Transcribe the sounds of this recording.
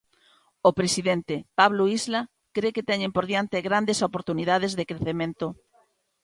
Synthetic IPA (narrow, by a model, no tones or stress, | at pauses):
opɾesiðɛnt̪epaβloizla | kɾeket̪ɛɲẽmpoɾðjant̪eɣɾand̪esopoɾt̪uniðað̞ezðekɾeθemẽnt̪o